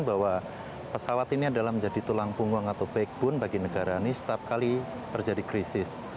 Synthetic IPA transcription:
nbawa | pəsawat̪iniadalahməɲd͡ʒadit̪ulaŋpuŋwaŋat̪awbaɪk̚b̥ʊnbaɡinəɡaɾainisə̥t̪iap̚kali | t̪ərd͡ʒadikɾisɪs

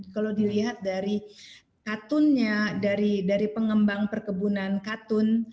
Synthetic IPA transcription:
kalowdiliɦat̪̚daɾi | kat̪ʊnɲadaɾidaɾipəŋəmbaŋpərkəbunankat̪ʊn

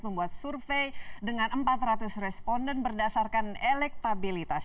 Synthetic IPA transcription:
məmbuat̪̚surfejdəŋanəmpat̪rat̪ʊsrɛspɔndɛnbərdasarkanelɛk̚t̪abilit̪as

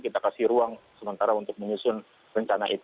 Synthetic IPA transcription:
kit̪akasɪɾuaŋsəmənt̪aɾaunt̪ʊk̚məɲusʊn | rəɲt͡ʃanaʔit̪

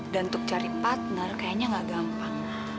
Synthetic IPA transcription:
dant̪ʊk̚t͡ʃaɾipat̪̚nərkajaɲaŋɡaɡampaŋ

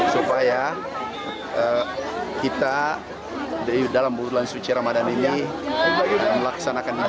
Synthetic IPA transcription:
supaja | əkit̪a | dalambutulansut͡ʃiɾamadanini | aməlaksanakani

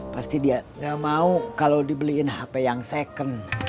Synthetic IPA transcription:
past̪idiaɡamaukalawdibəliɪnhapajaŋsekən

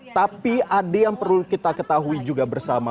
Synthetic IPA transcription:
t̪apiʔadajaŋpərlukit̪akət̪aɦuid͡ʒuɡabərsama

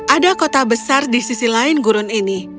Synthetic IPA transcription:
ʔadakot̪abəsardisisilaɪnɡuɾʊnini

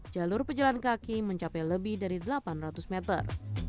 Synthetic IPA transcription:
d͡ʒalʊrpəɲd͡ʒalankakiməɲt͡ʃapɛjləbɪhdaɾidəlapanrat̪usmɛt̪ə̰r

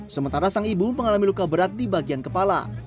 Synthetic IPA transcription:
səmənt̪aɾasaŋibuəməŋalamilukabəɾat̪̚dibaɡiankəpala̰

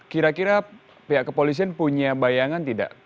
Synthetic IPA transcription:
kiɾakiɾa | peɦaʔkəpolis̬ianpuɲabajaŋant̪ida̰ʔ

